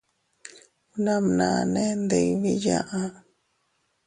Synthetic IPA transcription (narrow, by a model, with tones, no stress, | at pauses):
u˧nã˧mnã˨nẽ˦nd̪e˧˨βi˦jã˦˧ʔã˧